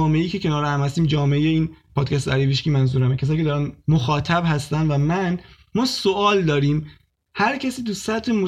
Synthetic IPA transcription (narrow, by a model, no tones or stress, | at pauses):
ɒːmeʔejiːkcʰe̞cʰe̞nɒːɾehæmhæst̪iːmd͡ʒɒːmeejeiːnpʰɒːd̪̥̚cʰæs̬t̪eæɾiviʃciːmænzuːɾæmecʰes̬ɒːjcʰʲeɒːɾænmoxɒːt̪ʰæbhæst̪ænd̪væmæn | mɒːsoʔɒːld̪ɒːɾiːm | hæɾcʰæsiːt̪usæt̪ʰemo